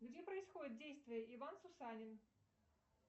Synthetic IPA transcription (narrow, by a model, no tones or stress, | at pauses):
ɡd͡zʲipɾəɪsxɔd͡zʲɪt̪̚dʲejst̪vʲɪjəʔivansʊsanʲɪn